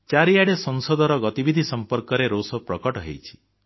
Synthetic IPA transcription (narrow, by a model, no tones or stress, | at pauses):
t͡ʃaɾijaɽesɔnsɔd̪ʱɔɾɔɡɔt̪ibid̪ʱisɔmpɔɾkɔɾeɾosɔpɾɔkɔʈɔɦḛjt͡ʃʰi̥